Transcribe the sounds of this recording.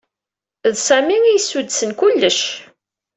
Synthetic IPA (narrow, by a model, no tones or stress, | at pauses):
ðsæmiŋijsud̪sənkulːəʃ